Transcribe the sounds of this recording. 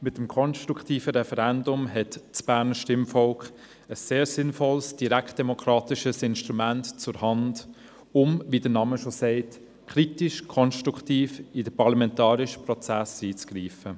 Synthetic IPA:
mɪtːəmkʰɔnʃtʁuktiːfəɾɛfɛɾɛndʊmɦɛtt͡sb̥æːɾnəʃtɪmfɔlk | əsːeːɾsɪnfɔlsd̥iɾæktd̥ɛmɔkʰɾɑːtɪʃəsɪnʃtʁumæntt͡sʊɾhɑnd | ʊmvidənɑːməʃosɛɪt | kʰɾitɪʃkʰɔnʃtɾuktiːfidəpʰɑɾlɑmɛntɑːɾɪʃəprɔt͡sæsiːt͡sɡ̥riːfə

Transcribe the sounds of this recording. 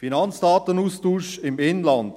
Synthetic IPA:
finɑnsd̥ɑːtənuːstuːʃɪmɪnlɑnd

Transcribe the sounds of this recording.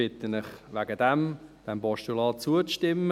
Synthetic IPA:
ɪt̪ənɪχʋæɡəd̪ɛmd̥ɛmbɔʃtulɑːt͡suət͡sʃtɪmːə

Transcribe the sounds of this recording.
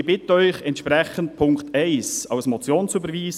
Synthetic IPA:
bɪtəœʏχɛntʃpɾɛχənt̚pʰʊŋktʰɛɪsɑ̰ʊsmɔt͡sjoːnsybəɾviːs

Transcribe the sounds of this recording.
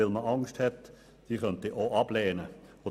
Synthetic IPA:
ɪlməʔɑŋsthɛt̪ | d̥iːχœnt̪iʔoʔɑbleːnəo

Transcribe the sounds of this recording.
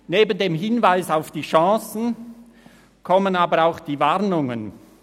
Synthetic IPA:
neːbən̩deːmɦɪnvaɪsaʊfd̥iːʃɑ̃ːsn̩ | kʰɔmənaːbəɾaʊxd̥iːvaʁnʊŋən

